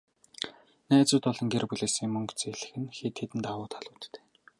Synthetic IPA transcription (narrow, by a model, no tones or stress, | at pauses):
næːt͡sʊːt̪ɔɮɞ̆ŋɡerpuɮeːsĭːmɵŋkt͡seɮɘ̆xɘ̆nxet̪xet̪ɘ̆nt̪awʊːt̪ʰaɮʊːt̪ːʰe̥ː